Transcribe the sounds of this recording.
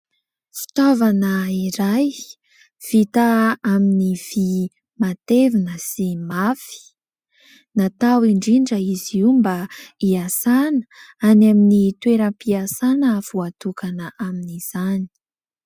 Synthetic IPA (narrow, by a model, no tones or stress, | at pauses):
fi̥t̪avanəiɾaj | v̥it̪aaminiv̥i | mat̪evinəsimafi̥ | nat̪awiɳɖ͡ʐiɖ͡ʐəiziwmbaiasanə̥anaminit̪weɾəmpiasanəv̥uat̪ukanəʔaminiz̥ani̥i̥